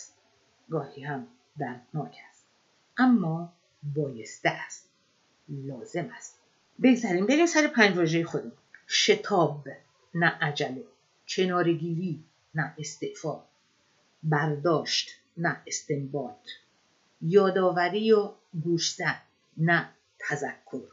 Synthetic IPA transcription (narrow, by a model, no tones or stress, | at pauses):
st̪̚ | ɡɒːhiːhæm | d̪æɾd̪nɒːkʰæst̪̚ | ʔæmːɒː | bɒːjest̪eʔæst̪̚ | lɒːze̞mæst̪̚ | be̞ɡzæɾiːmbeɾiːmsæɾepʰæːnd͡ʒvɒːʒejexod̪em | ʃe̞t̪ʰɒːb | næʔæd͡ʒæle | cʰe̞nɒːɾeɡiːɾiː | næe̞st̪eʔfɒː | bæɾd̪ɒːʃt̪ | næest̪embɒːt̪ | jɒːd̪ɒːvæɾiːjɒː | ɡuːʃzæ | næ | t̪ʰæzækʰːo̞ɾ